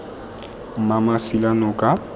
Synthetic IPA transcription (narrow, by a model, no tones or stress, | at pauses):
m̩mamasilanɔkʼa